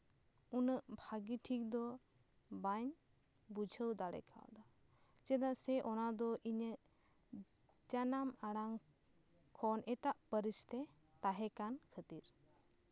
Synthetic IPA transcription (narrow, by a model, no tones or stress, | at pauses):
unəʔbʱaɡiʈʰik̚d̪ɔ | baɲ | bud͡ʒʱəwd̪aɽɛ̰kʰa̰w̰d̪a | t͡ʃɛd̪asɛʔɔnad̪ɔʔiɲəʔ | t͡ʃanamaɽaŋ | kʰɔnɛʈaʔpəɾist̪ɛ | t̪aɦɛkankʰət̪iɾ